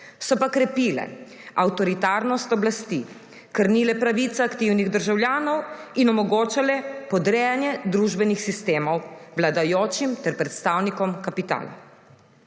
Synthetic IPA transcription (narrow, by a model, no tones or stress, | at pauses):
sɔpakɾɛpiːlɛ̰ | awt̪ɔɾit̪aːɾnɔst̪ɔblast̪i | kəɾniːlɛpɾaʋit̪saːkt̪iwniɣd̪əɾʒawljaːnɔwinɔmɔɡoːt͡ʃalɛpɔd̪ɾɛːjanjɛd̪ɾuʒbɛnixsist̪eːmɔwwlad̪ajoːt͡ʃimt̪ɛɾpɾɛt̪st̪aːwnikɔmkapit̪a̰ːla̰